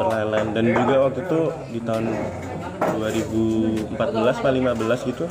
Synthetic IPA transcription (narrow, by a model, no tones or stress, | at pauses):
pərlalandand͡ʒuɡawak̚t̪ut̪u | dit̪aɦʊn | duaɾibuəmpat̪̚bəlaspaliŋmabəlasɡit̪u